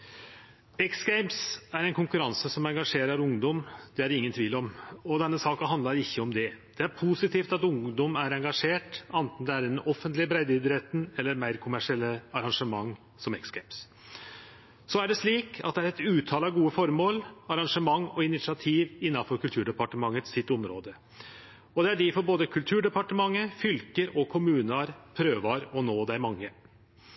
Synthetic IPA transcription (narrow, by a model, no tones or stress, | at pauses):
ɛksɡæɪmsæɾɛɪnkʊŋkʉɾɑnsəsɔmɛŋɡɑʂeːɾəɾʊŋd̪ɔmd̪̥ɛæɾɪŋːənt̪ʰʋiːlɔmɔd̪ɛnːəsɑːkənɦɑnd̪ɑɾɪçːəɔmd̪ɛd̪̥ɛæɾpʰusɪt̪ʰiːft̪ɑt̪ʊŋd̪ɔmæɾɛŋɡɑʂeːʈɑnt̪n̩d̪ɛæɾɪnʔɔfənt̪lɪbɾæɪd̪ɪd̪ɾɛt̪n̩ɛlːəɾmæɪɾkʰʊmæʂɪɛlːəɑɾɑŋʂəmɑŋː | sɔmɛksɡ̥æɪms | sɔæɖɛʂɭiːkʰɑ̰t̪̚d̪ɛæɾɛt̪ʉːt̪ʰɑːlɑɡuːəfɔɾmoːlɑɾɑŋʂəmɑŋːɔɪnɪt̪sɪɑt̪ʰiːʋɪnːɑfɔɾkʰʉlt̪ʰʉːɖɛpɑʈəmɑŋːət̪sɪt̪ːʊmɾoːd̪ə | ɔd̪ɛæɖɪfɔɾboːd̪əkʰʉlt̪ʰʉːɖɛpɑʈəmɑŋːəfʏlkəɾɔkʰʊmʉːnɑɾpʰɾøːʋɑɾɔnoːd̪æɪmɑŋːə